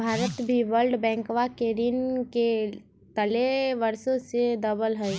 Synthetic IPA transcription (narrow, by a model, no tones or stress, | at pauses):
bʱaːɾət̪bʱiʋəlɖbɛ̃ːŋkʋaked̪inke | t̪əleʋəɾsõsed̪əbəlɦəj